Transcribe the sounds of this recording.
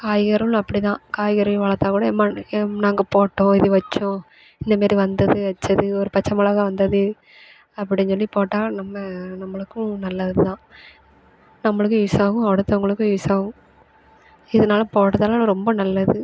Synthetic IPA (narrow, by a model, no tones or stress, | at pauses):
kaːjɣɐɾɐl̃ɐpːɐɽit̪ãːkaːjɣɐɾɐʋɐɭɐt̪ːaːkuːɽɐɛmːaːnaːŋɡɐpoːʈːõːɪðɯʋɐt͡ʃːõ | ɪnd̪ɐmaːɾiʋɐnd̪ɐðɯʋɐt͡ʃːɐðɯɔɾɯpɐt͡ʃːɐmɐlɐɣɐʋɐnd̪ɐðɯ | ɐpːɐɽɪɲsɔlːipoːʈːaːnɐmːɐnɐmːɐɭɯkːʊ̃nɐlːɐɪðɯt̪ãː | nɐmːɐɭɯk̬ːɯ̃isaːɣʊ̃ɐɽɯt̪ːɐʊŋɡɐɭɯkːɯ̃ʋiːsaːɣʊ̃m | ɪðɐnaːlɐpoːʈːɐðaːlaːlɐɾɔmbɐnɐlːɐðɯ